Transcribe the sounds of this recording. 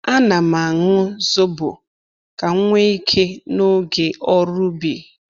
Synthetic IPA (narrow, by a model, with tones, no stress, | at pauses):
a˦na˨ma˨ŋʊ˦zo˦bʊ̰˨ | ka˨˦ŋʷe˦i˦kʰe˦no˦ɡe˨ʔɔ˦ɾʊ˦bi˨